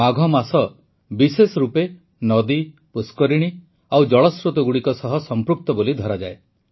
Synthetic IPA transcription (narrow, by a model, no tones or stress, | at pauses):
aɡʱɔmasɔ | bisesɔɾupe | nɔd̪i | puskɔɾiɽ̃i | awd͡ʒɔɭɔsɾut̪ɔɡuɽikɔsɔɦɔsɔmpɾuk̚t̪ɔbolid̪ʱɔɾad͡ʒae